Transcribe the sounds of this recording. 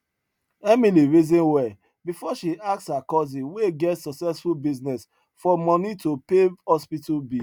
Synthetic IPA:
ɛmiliɹizɔ̃nwɛ | bifɔʃiʔak̚shakɔzĩweɡɛtsɔksɛsfulbiznɛs | fɔmɔ̃nitopehɔspitalbi

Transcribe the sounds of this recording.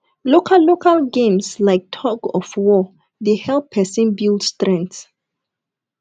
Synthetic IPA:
lokʰallːokʰalɡẽmslaɪk̚tʰɔɡɔfwɔ | ðehɛlpʰɛsĩnbildstɹɛ̃nt

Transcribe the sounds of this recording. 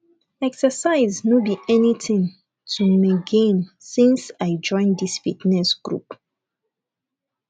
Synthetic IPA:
ɛksəsaɪznobiʔɛnitʰĩn | tʰumaɡẽmsĩnsaɪd͡ʒɔ̃ɪ̃nd̪isfitnɛsɡ̥ɹṵp

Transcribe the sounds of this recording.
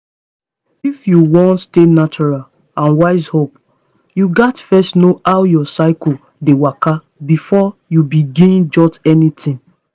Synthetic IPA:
ifjuwɔ̃ntstenat͡ʃɔɹal | ãnwaɪzhop̚ | juɡatfɛstnoʔawjɔsaɪkɔ | dewaka | bifɔjubiɡĩnd͡ʒɔtɛnitĩn

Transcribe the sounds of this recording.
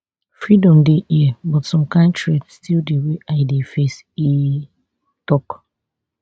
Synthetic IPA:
fɹidɔ̃mdeʔiɛbɔtsɔ̃mkãɪ̃ntɹedstʰildeweʔaɪdefes | i | tɔk

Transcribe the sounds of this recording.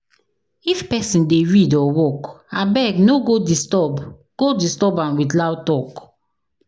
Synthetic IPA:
ifpɛsĩndeɹidɔwɔkabɛɡnoɡodistɔb | ɡ̥odistɔbãmwitlawtɔk

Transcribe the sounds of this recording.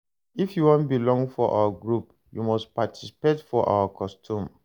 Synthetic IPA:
ifjuwɔ̃ntbilɔ̃ŋɡfɔʔa̰waɡɹup | jumɔspatʰi̥si̥petfɔʔa̰wakʰɔstʰũm

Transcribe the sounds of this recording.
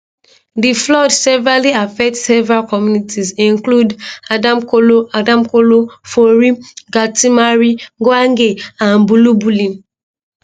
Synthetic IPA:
diflɔdsɛvɹaliafɛk̚tsevɹakɔmjunitʰizĩnkludadamkoloadãmkolofoɹiɡatʰimaɹiɡɔaŋɡeãnbulubulĩm

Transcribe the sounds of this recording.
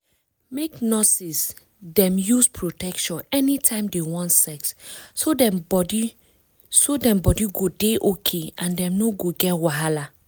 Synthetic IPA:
meknɔsis | dɛ̃mjuspʰɹotɛkʃɔ̃nɛnitʰãɪ̃mdewɔ̃ntsɛksːodɛ̃mbɔdi | sodɛ̃mbɔdiɡodeʔokʰeãndɛ̃mnoɡoɡɛtwaɦala

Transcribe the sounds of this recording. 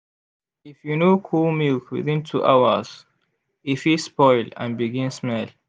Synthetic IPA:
ɪfjunoːkʰulmilkwɪ̰ðɪ̃ntʰuʔaʊə̰z̥ | ifispɔɪlã̰nbiɡɪ̃nsmɛl

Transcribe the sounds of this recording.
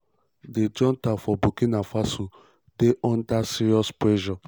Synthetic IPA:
ded͡ʒɔ̃ntafɔbukinafaso | deʔɔ̃ndasiɾiɔspɹɛʒɔ

